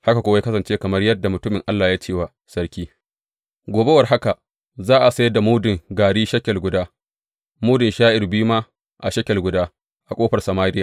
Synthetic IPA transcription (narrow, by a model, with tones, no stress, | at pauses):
ha˦ka˨kʷoː˨wa˦kɐ˦sɐ˨nt͡ʃeː˦kɐ˨mɐ˦rjɐ˦dːa˨mʊ˨tʊ˦mɪ˨ŋʔa˦lːaː˨jaː˦t͡ʃeː˦wa˨ | sɐ˦rkʲiː˦ | ɡʷoː˨be˦wɐ˨rɦa˦ka˨ | zaː˦ʔa˨sa˦jda˨muː˦dɪ˨ŋɡaː˨ɽiː˦ʃɐ˦kʲːɐ˨lɡʷʊ˨daː˦ | muː˦dɪ˨nʃaː˦ʔɪ˨rbi˦u˦maː˦ | ʔa˨ʃɐ˦kʲɛ˨lɡʷʊ˨daː˦ | ʔa˨kʷʼoː˦ɸɐ˨rsɐ˨maː˦ɾɪ˦jaː˨